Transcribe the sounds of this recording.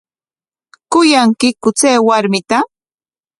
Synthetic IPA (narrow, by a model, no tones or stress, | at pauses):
kʊjaŋkɪkʊt͡seːwaɾmɪt̪a